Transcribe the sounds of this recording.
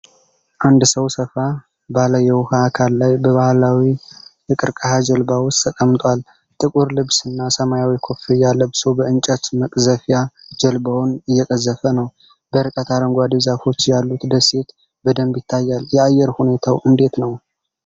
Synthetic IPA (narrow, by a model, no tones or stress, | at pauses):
ʔand̪səwsəfa | baləjɛwʊhaːkʰalːajbəβahlawi | ɨkʼɨɾkʼəhad͡ʒəlbawʊst̪ʰːəkʼəmt̪ʼwal | t̪ʼɨkʼuɾlɨβsɨnːasəmajawikʰo̞fijalːəbsobəɨnt͡ʃʼət̪məkʼzəfjad͡ʒəlbawnɨjːɛkʼəzːəfənəw | b̥əɨɾɨkʼət̪ʰaɾəŋɡʷad̪ezafo̞t͡ʃːjalːut̪d̪əse̞t̪ | bəd̪əmbjɪt̪ʰːajːaljɛajːɛɾhune̞t̪ʰawʔɨnd̪e̞t̪nəw